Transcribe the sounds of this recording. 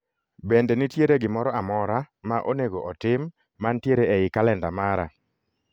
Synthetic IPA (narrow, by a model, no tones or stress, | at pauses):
bɛndɛnɪtjeɾeɡɪmɔɾɔamɔɾa | maʔoneɡoʔɔtɪmː | antjeɾeeɪkalɛndamaɾa̰